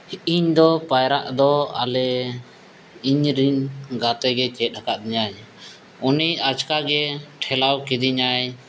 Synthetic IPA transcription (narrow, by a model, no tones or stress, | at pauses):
iɲd̪ɔpajɾaʔd̪ɔa̰lɛ | iɲɾinɡat̪ɛɡɛt͡ʃɛt̪̚ˀakaʔd̪iɲaj | uniat͡ʃkaɡɛʈʰɛlawkid̪iɲaj